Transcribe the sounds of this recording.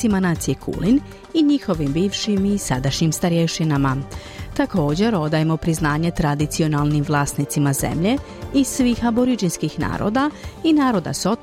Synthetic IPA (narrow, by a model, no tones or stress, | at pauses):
imanaːt̪siekʰṵːlin | iɲixo̞ʋimbiːʋʃimisad̪aʃɲimst̪aɾjeʃinama | t̪ako̞ːd͡ʑe̞ɾo̞d̪ajemo̞pɾiznaːɲe̞t̪ɾad̪it̪sio̞nalˠnimʋlˠaːst̪nit̪simaze̞̰mʎe̞ | isʋiːxaboɾid͡ʒinskixna̰ːɾo̰d̪ainaːɾo̞d̪a̰so̞t̪